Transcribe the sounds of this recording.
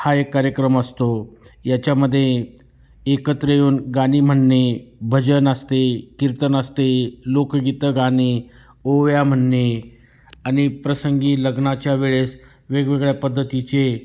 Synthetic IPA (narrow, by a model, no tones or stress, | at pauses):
haekːaɾjəkɾəməst̪ojat͡ɕjaməd̪ʱːje | ekət̪ɾəjuːnɡaɽ̃iːm̤əɳːebʱəd͡ʑənəst̪ekiɾt̪ənəst̪elokɡit̪əɡaɽ̃iː | oʋjam̤əɳːe | añipɾəsəŋɡiːləɡnat͡ɕjaʋeɭes | ʋeɡʋeɡɭjapəd̪ʱːət̪it͡ɕe